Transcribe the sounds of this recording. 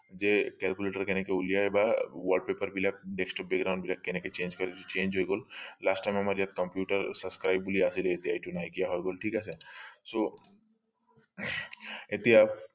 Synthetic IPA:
d͡ʒekɛlkuleːʈəɾkenekeʊlijaebaʋəɾɖ̚peːpəɾbʱilak̚ɖeksʈɔːp̚bekɡɾãʊ̃ɳɖbilakːeneket͡ʃẽːnd͡ʒkɐɾed͡ʒit͡ʃẽːnd͡ʒɦojɡoːllaːsʈajmɐmaːɾjaːd̪̚kɐ̃mpjuːʈəɾsɐbskɾaːɪbbuliasileet̪iaːjʈunaːjkijaɦojɡoːlʈʰiːkɛseso | et̪iap

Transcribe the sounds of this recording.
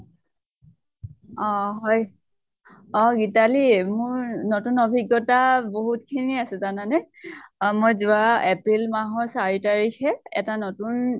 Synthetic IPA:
ɔɦɔj | ɔɡitalimʊɹnotunobʱiɡːɔtaboɦutkʰiniasɛzananɛ | mojzʊaepɹilmaɦɔɹsaɹitaɹikʰɛɛ̰tanotun

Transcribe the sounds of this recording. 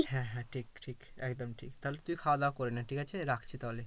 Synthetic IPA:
hɛ̃ɦɛ̃ʈʰikʈʰikɛkd̪omʈʰḭkt̪alet̪uikʰad̪akoɾenaʈʰikat͡ɕʰeɾakʰt͡ɕʰit̪aɦole

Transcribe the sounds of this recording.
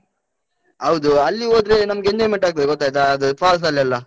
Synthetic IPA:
ɦɐwd̪uɐlːioːd̪ɾenɐmɡend̪emeɳʈaːɡ̪̚ɐd̪eɡot̪ːaːjt̪ɐɐd̪upaːls̬ɐlːɐlːɐ

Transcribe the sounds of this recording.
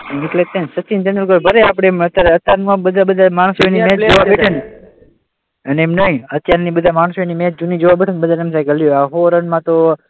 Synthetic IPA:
eʈlet̪ensət͡ʃːind͡ʒənəlkəɾbʱəɾeapɽ̃emət̪jaɾeət̪jaɾmãbəd̪ʱabəd̪ʱamaɳ̃sonimẽt͡ʃd͡ʒoʋabeʈʰen | əneemnəɦĩət̪jaɾnibəd̪ʱamaɳ̃soenimẽt̪̚d͡ʒunid͡ʒoʋabeʈʰenbəd̪ʱanemsajɡəljoaɦoɾənmãt̪o

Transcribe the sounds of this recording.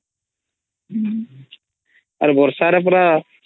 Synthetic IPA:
ə̰ɾbʱoɾsaːɾap̬ɾaː

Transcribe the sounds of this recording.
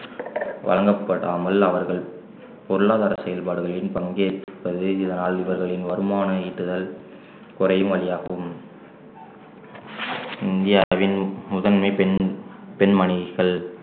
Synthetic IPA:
ʋɐ̰lɐŋɡɐpːɐɽaːmɐlɐʋɐɾɣɐɭ | pɔɾɯɭaːðaːɾɐsɛjɐlpaːɽɯɣɐɭɪnpɐŋɡeːt̪ːpːɐðɯɪðɐnaːlɪʋɐɾɣɐɭɪnʋɐɾɯmaːnɐiːʈːɯðɐl | kʊrɐjɯmʋɐɭɪjaːɣɐʋɯm | ɪnd̪ɪjaːʋɪnmʊðɐnmɐɪn | pɛnmɐnɪɣɐɭ

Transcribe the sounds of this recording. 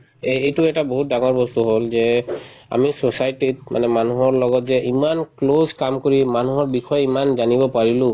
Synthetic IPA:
eetuɛtaboɦut̚daŋɔɹbɔst̪uɦolzɛa̰misosajtit̚mʔa̰nɛmanuɦɔɹlɔɡɔtzɛʔimanklozkamkoɹimanuɦɔɹbixɔjimanzanibɔpaɹilʊ̃

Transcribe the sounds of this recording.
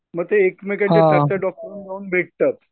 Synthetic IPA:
məɡ̚t̪eːkmekaɦjasajaɖɔk̚ʈəɾuːnɡauːnbʱeʈ̚t̪at̪

